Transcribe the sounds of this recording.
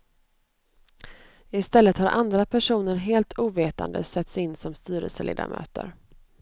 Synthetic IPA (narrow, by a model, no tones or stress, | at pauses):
ɪst̪ɛlːət̪haɾʔand̪ɾapʰæʂuːnəɾɦeːlt̪ʰuːveːt̪a̰nd̪ə̰sɛt̪sɪnːsɔmst̪yːɾə̰lsəlḛːd̪a̰mʔø̰ːt̪ə̰ɾ